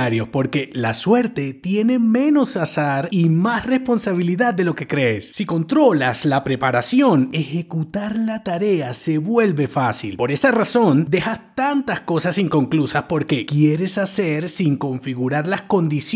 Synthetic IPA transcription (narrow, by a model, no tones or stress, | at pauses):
aɾjo̞spo̞ɾke̞laswe̞ɾt̪e̞t̪je̞ne̞mẽ̞no̞sasaɾimasre̞spo̞nsaβ̞iliðad̪̚dːe̞lo̞ke̞kɾe̞ːsːiko̞nt̪ɾo̞laslapɾe̞paɾasjo̞ne̞xe̞kut̪aɾlat̪aɾe̞ase̞βwe̞lβe̞fasḭlpo̞ɾe̞saraso̞nd̪e̞xast̪ant̪asko̞sasiŋko̞ŋklusaspo̞ɾke̞kje̞ɾe̞sase̞ɾsiŋko̞ɱfiɣuɾaɾlasko̞nd̪is